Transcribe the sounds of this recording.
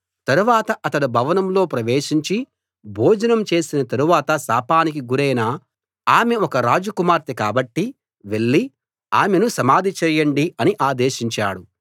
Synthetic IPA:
t̪ɐɾuʋaːt̪ɐʔɐt̪ɐɽubʱɐʋɐnɐmlo̞ːpɾɐʋeːʃiɲt͡ʃi | bʱoːd͡ʒɐnɐmt͡ʃe̞ːsinɐt̪ɐɾuʋaːt̪ɐsaːpaːnik̬iɡuɾɛjnaː | aːme̞ɔkɐɾaːd͡ʒukumaːɾt̪ikaːbɐʈːi | ʋe̞ɭːi | aːmenusɐmaːd̪ʱit͡ʃɛːjːɐɳɖiɐniʔaːd̪e̞ːʃiɲt͡ʃaːɽu

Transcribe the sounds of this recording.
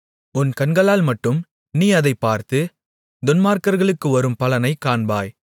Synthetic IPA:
ʊnkɐnɡɐɭaːlmɐʈːɯm | niːɐðɐɪpːaːɾt̪ɯ | d̪ʊnmaːɾkɐɾɣɐɭɯkːɯɐɾɯmpɐlɐnɐɪkaːɳbaːj

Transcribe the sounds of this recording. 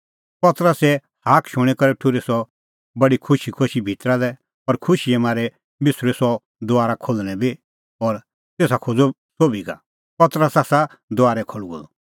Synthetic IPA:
pɐt̪ɾəsɛ | haːkʰʃʊ̃ɽ̃ɛkɐɾɛʈʰʊɾesɔ | bɐɽikʰʊʃikʰoʃibʱit̪ɾalɛ | ɐɾkʰʊʃiɛmaːɾɛ | mɪsʊɾesɔ | d̪ʊaːɾakʰolñɛbi | ɔːɾ | t̪eːsakʰod͡zo | soːbʱiɡa̰ | pɐt̪ɾəsasa | d̪ʊaːɾɛkʰolɡo̰lɔ

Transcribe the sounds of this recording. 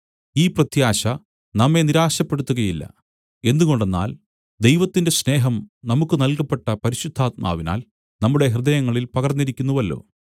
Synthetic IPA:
iːprɐt̪jaːɕɐ | nɐmːe̞niɾaːɕɐpːe̞ɽut̪ːuɣɐjilːɐ̰ | e̞nd̪uɣoɳɖe̞nːa̰ːl | d̪e̞jʋɐt̪ːinde̞sne̞ːɦɐmnɐmukːɨnɐlkɐpːe̞ʈːɐpɐɾiɕud̪ʱːaːt̪̚ma̰ːʋina̰ːl | nɐmːuɽe̞ɦrɨd̪ɐjɐŋːɐɭilpɐɣɐrnːiɾikʲːunːuʋɐlːo̞̰ː

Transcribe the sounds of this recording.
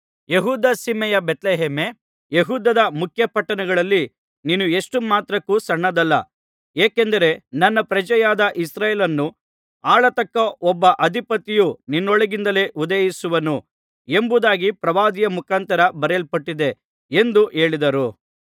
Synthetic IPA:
jeɦuːd̪aːsimɛjɐbet̪leɦeːme | jeɦuːd̪ɐd̪ɐmukʰjɐpɐʈːɐnɐɡɐɭɐlːi | niːnueʂʈumaːt̪ɾɐkːusɐɳːɐd̪ɐlːɐ̰ | eːkend̪ɐɾe̞nɐnːɐpɾɐd͡ʒɐjaːd̪ɐʔisɾaːjeːlɐnːu | aːɭɐt̪ɐkːɐɔbːɐʔɐd̪ʱipɐt̪ːijuninːɔɭɐɡind̪ɐle̞ːʔud̪ɐjisuʋɐnu | embud̪aːɡipɾɐʋaːd̪ijɐmukʰaːnt̪ɐɾɐbɐɾɛlpɐʈːid̪e̞ | end̪uʔe̞ːɭid̪ɐɾu

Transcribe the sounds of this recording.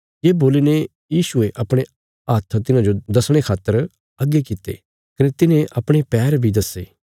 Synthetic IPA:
jeːboːline | jiːʃʊeʔɐpɽ̃e | aːt̪ʰət̪ɪnãd͡ʒod̪ɐsɽ̃ekʰaːt̪ːəɾ | ɐɡekɪt̪ːḛ | kɐnet̪ɪnẽʔɐpɽ̃epɛːɾbʱid̪ɐseː

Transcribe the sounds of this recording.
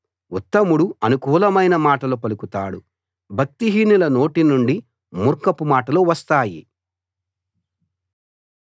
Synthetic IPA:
ut̪ːɐmuɽuɐnukuːlɐmɐjnɐmaːʈɐlupɐlukut̪a̰ːɽṵ | bʱɐk̚t̪iɦiːnilɐno̞ːʈinuɳɖi | muɾkɐpːumaːʈɐluʋɐst̪aːjḭ

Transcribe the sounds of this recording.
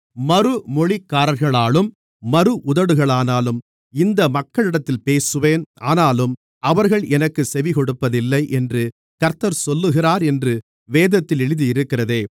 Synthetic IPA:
mɐɾɯmɔɭɪkːaːɾɐɾɣɐɭaːlɯmː | ɐɾɯʔʊðɐɽɯɣɐɭaːnaːlɯm | ɪnd̪ɐmɐkːɐɭɪɽɐt̪ːɪlpeːsɯʋeːnʔa̰ːnaːlɯm | ɐʋɐɾɣɐɭʔɛnɐkːɯsɛʋɪkɔɽɯpːɐðɪlːɐɪʔɛndrɯ | kɐɾt̪ːɐɾsɔlːɯɣɪraːɾɛndrɯ | ʋeːðɐt̪ːɪlɛɻɯðɯjɪɾɯkːɪrɐðeː

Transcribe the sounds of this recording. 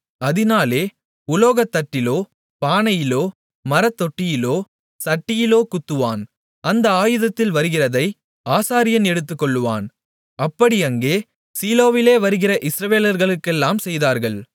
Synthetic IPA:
ɐðɪnaːleː | ʊloːɣɐt̪ːɐʈːɪloː | paːnɐjɪloː | mɐɾɐt̪ːɔʈːɪjɪloː | sɐʈːɪjɪloːkʊt̪ːɯʋa̰ːn | ɐnd̪ɐaːjɯðɐt̪ːɪlʋɐɾɯɣɪrɐðɐɪ | aːsaːɾɪjɐnɛɽɯt̪ːɯkːɔɭːɯʋa̰ːn | ɐpːɐɽiɐŋɡeː | siːloːʋɪleːʋɐɾɯɣɪrɐʔɪsɾɐʋeːlɐɾɣɐɭɯkːɛlːaːmsɛjðaːɾɣɐɭ

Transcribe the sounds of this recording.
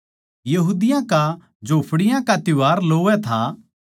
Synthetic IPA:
jɐɦuːd̪ɪjãka | d͡ʒoːpʰɽɪjãkat̪ɪʋaːɾloːʋɛt̪ʰa

